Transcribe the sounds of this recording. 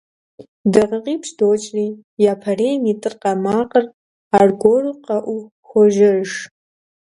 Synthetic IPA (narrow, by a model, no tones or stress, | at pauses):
dɨʁəqʼipʰʂdot͡ʃʼriː | jaːpʰɐreːmitʼɨrqʼɐmaːqʼər | arɡʷoruqʼɐʔʷu | xʷɔʒɐʒ